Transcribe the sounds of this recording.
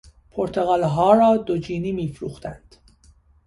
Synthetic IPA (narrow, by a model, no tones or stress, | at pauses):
pʰoɾt̪ʰeɣɑːlɦɒːɾɒːd̪od͡ʒiːniːmiːfɾṵːxt̪ænd̪̥